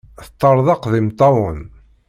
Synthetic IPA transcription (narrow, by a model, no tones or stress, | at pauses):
θət̪ˤːəɾˤðˤɑqðimt̪ˤːɑwən